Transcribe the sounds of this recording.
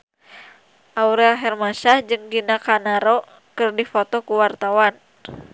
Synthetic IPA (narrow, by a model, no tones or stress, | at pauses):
ʔauɾɛlɦɛrmasahd͡ʒɨŋɡinakanaɾɔ | kɨrdifɔt̪ɔkuwart̪awan